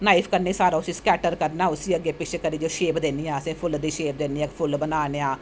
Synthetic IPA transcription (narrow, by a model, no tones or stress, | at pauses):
naːiːpʰkəɾneːsaːɾaːʊsiːskɛːʈəɾkəɾnaːʊsiːəɡeːpɪt͡ʃʰekəɾiːd͡ʒoːʃeːbd̪eːniːãːəsẽːpʰʊld̪iːʃeːb̚d̪eːniːãːpʰʊlbənaːneːãː